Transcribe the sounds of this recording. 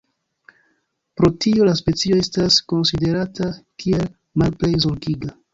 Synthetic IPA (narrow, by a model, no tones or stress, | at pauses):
pɾo̞tʰio̞laspe̞t͡sio̞e̞stasko̞nside̞ɾatʰakʰiel | malple̞jzo̞ɾɡiɡa